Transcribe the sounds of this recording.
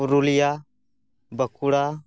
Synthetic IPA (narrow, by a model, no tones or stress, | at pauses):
uɾulija | bəkuɽa